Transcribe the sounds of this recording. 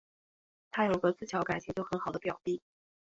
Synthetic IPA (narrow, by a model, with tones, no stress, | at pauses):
t̪ʰa˥jo˨˩ʊi˧ɡə˧t͡sɹ̩˥˩t͡ɕʰjɑ˧˥ʊka˨˩ɪt͡ɕʰi˧˥ŋt͡ɕjo˥˩ʊxə˧˥nxɑ˨˩ʊd̪ə˦pjɑ˨˩ʊpi˥˩